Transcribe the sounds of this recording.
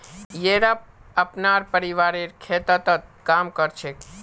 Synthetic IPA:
jeɾap̚əpnaɾpəɾiʋaɾeɾkʰet̪ət̪ət̪̚kamkəɾt͡ʃʰe

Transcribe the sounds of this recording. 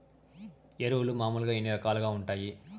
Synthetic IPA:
eɾɐwulumaːmuːlɡaːenːiɾɐkaːluɐɡaːuɳʈaːji

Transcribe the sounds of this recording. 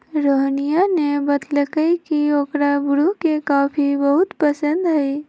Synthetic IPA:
ɾoɦnijanebət̪ləkəjkioːkɾabɾukekaːpʰibəɦʊt̪pəsə̃nd̪ɦəɪ

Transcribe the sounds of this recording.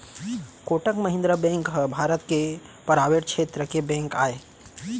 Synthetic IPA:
koːʈəkmɐɦɪ̃nd̪ɾəbɛ̃ːŋkɦəbʱaːɾət̪kepɐɾaːʋeːʈ̚kʃʰeːt̪ɾəkebɛ̃ːŋkaːeː

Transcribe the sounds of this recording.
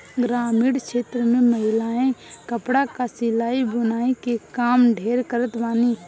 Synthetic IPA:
ɡɾaːmiːɽʃʰeːt̪ɾəmẽməɦɪlaːẽkəpɽakasɪlaːibʊnaːẽkekaːmɖʱeːɾkəɾət̪baːniː

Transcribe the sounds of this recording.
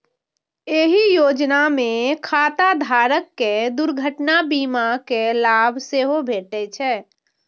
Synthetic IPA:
eɦijoːd͡ʒnamẽkʰaːt̪ad̪ʱaːɾəkːed̪uɾɡʱəʈnabiːmakelaːbʱseɦobʱeːʈɛt͡ʃʰɛ

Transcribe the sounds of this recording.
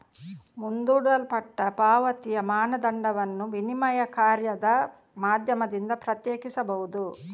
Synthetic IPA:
mund̪uːɽɐlpɐʈːɐpaːʋɐt̪ijɐmaːnɐd̪ɐɳɖɐʋɐnːuʋinimɐjɐkaːɾjɐd̪ɐ | maːd̪ʱjɐmɐd̪ind̪ɐpɾɐt̪jɛːkisɐbɐʋwud̪u

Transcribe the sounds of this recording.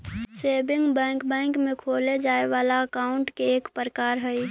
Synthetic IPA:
sebɪŋɡbɛ̃ːkbɛ̃ŋkmekʰoled͡ʒaːeʋalaəkaʊɳʈkeːkpɾəkaːɾɦəj

